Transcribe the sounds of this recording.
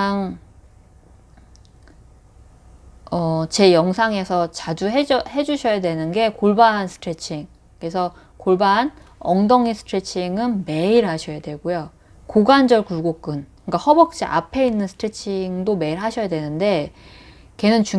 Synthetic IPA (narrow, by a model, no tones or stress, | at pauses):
aŋ | ʌt͡ɕe̞jʌŋsʰaŋe̞sʰʌt͡ɕad͡ʑuɦehe̞d͡ʑuɕʰʌjadwe̞nɯnɡe̞koɭbaɦansʰɯ̥tʰɾet͡ɕʰiŋ | kesʰʌ | koɭbanʌŋdʌŋisʰɯ̥tʰɾet͡ɕʰiŋɯnme̞iɾhaɕʰʌjadwe̞ɡojo | koɡand͡ʑʌɭkuɡok͈ɯnkɯik͈ahʌbʌk̚t͡ɕ͈iʔa̰pʰe̞inːɯnsʰɯ̥tʰɾet͡ɕʰiŋdome̞iɾhaɕʰʌjadwe̞nɯnde̞ | ke̞nɯnt͡ɕu